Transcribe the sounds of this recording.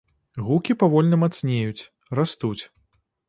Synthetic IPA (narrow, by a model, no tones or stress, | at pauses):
ɣukʲipavɔlʲnɐmat̪snʲejut͡sʲ | rast̪ut͡sʲ